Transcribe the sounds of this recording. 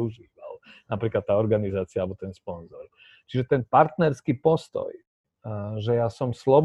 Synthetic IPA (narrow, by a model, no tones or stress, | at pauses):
uʒiːʋalnapɾiːklat̪ːaːɔɾɡanizaːt͡siaalbɔt̪ɛnspɔnzɔɾ | t͡ʃiʒɛt̪ɛnpaɾt̪nɛɾskipɔst̪ɔ̰j | ʒɛjaːsɔmslɔb